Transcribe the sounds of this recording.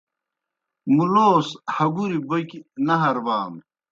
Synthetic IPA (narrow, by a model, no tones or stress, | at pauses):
muloːshɐɡuɾibokinɐɦɐɾbaːm